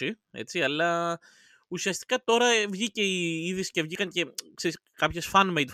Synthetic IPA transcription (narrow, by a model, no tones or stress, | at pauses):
i | e̞̰t͡siɐlɐ | usiɐst̪i̥kɐt̪o̞ɾɐvʝice̞iiðisce̞vʝikɐŋce̞kse̞ɾiskɐpçesfɐnmejd̪